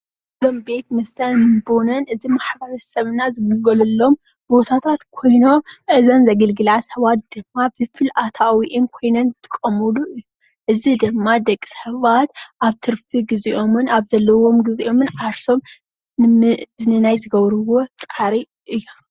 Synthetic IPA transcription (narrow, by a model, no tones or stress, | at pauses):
ʔɨzo̞mbe̞t̪mɐst̪ʰɐnmɨbonɐnʔɨzimaħbɐɾɐsɐβɨnazɨɡɨɡɐlɐlːo̞m | bo̞t̪ʰat̪ʰat̪kʰo̞jno̞mʔɨzɐnzɐɡɐlɡɨlashɐβat̪̚d̪̥ɨmːabɨfɨlʔat̪ʰawiʔɨnkʰo̞jnɐnzɨt̪ʰʼɨkʼːɐmuluʔɨjːu | ʔɨzid̪ɨmːad̪ɐkʼi̥sħɨβat̪̚ʔaβt̪ʰɨɾfiɡiziʔo̞mɨnaβzɐlːɐwo̞mɡɨziʔo̞mɨnʕaɾso̞m | nzɨnɨnajzɨɡɐβɾɨwo̞t͡sʼaɾi | ʔɨjːom